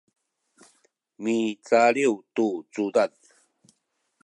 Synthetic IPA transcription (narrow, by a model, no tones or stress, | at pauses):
mit͡saɾiwt̪ut͡sud̪að